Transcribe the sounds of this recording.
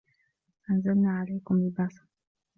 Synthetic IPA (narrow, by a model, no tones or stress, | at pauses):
sanzalnaʕalajkʊmlibasḁ